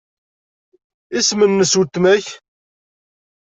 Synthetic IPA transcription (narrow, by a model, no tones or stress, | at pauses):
ismənːəsut̪ːmæç